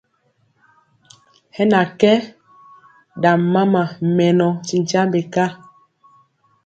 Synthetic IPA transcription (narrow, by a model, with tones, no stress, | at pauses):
hɛ˦na˨kɛ˦ | da˨mːa˦ma˨mɛ˨nɔ˨ti˨n˨t͡ʃa˦mbe˨ka˦